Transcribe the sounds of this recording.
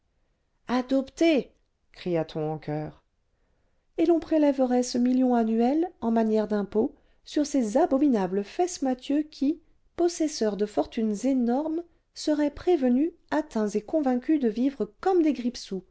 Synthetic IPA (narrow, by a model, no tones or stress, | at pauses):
ad̪ɔpt̪e | kχijat̪ʰɔ̃ɑ̃kʰʲœːʁ | elɔ̃pχelɛvəʁɛsəmiljɔ̃anɥɛlɑ̃manjɛʁd̪ɛ̃po | syʁsezabɔminabləfɛsmat̪jøkʲi | pɔsɛsœʁd̪əfɔʁt̪ynzenɔʁm | səʁɛpχevənyat̪ɛ̃zekɔ̃vɛ̃kʲyd̪əvivʁəkɔmd̪eɡʁipsu